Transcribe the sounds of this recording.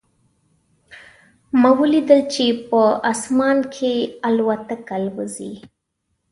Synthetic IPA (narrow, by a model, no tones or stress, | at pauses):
mawəlid̪əlt͡ʃepəasmɑnkʰealwat̪akalwəzḭ